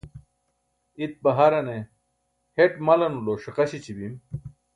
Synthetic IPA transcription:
it̪̚bɐɦɐɾɐne | heʈmɐlɐnuloːʂiqɐɕit͡ɕibim

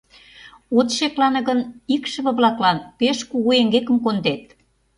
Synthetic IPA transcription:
ot̪ʃeklɑnɤ̆ɣə̆nikʃə̆βə̆βlɑklɑnpeʃkuɣueŋɡekə̆mkond̪et̪̚

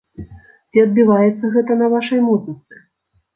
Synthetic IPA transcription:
t͡sʲiɐd̪̚bʲivajɛt̪sːɐɣɛt̪ɐnɐvaʂɐjmuznɨskɨ̥

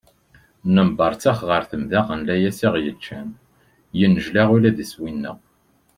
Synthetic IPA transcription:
nəmbəɾˤt͡sæχʁəɾθəmðæʁənlæjæsiʁjət͡ʃːæn | jənːəʒlæʁulæðiswinːə̰ʁ

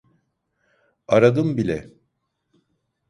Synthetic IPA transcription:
aɾad̪ɯmbilʲɛ

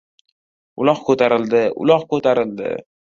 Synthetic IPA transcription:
ʊlˠɒqkʰɵt̪ʰaɾɪld̪ɪʔʊ̰lˠɒχkʰɵt̪ʰaɾɪld̪ɪ̰

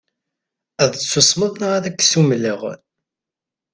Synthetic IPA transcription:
æðət͡sːusməðˤnəʁæðækːsumləʁ

